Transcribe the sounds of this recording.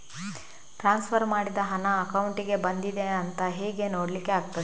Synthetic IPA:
ʈɾaːnspʰɐɾmaːɽid̪ɐɦɐnɐːkɐwuɳʈiɡe̞bɐnd̪id̪eɐnt̪ɐɦeːɡe̞noːɽlikːeaːɡt̪ɐ

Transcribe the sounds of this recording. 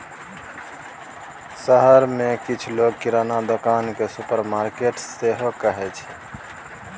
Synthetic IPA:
səɦəɾmekit͡ʃʰloɡ̚kiɾanad̪okankesupəɾmaɾkeʈseɦokəɦɛt͡ʃʰɛ

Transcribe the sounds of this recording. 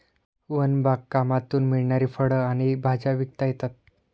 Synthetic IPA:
ʋənbʱakkːamat̪uːnmiɭɳaɾiːfəɽəaɽ̃ibʱad͡ʑaʋik̚t̪ajet̪at̪̚

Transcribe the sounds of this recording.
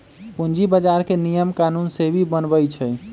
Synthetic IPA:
pund͡ʒibəd͡ʒaɾkenijəmkanunsebʱibənbəjt͡ʃʰəj

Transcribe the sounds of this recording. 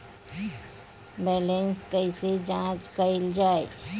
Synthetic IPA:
bɛlenskəised͡ʒãt͡ʃkəɪld͡ʒae

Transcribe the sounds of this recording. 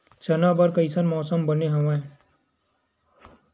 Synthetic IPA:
t͡ʃɐnabɐɾkɐɪsənmɔːsəmbɐneɦɐʋãe

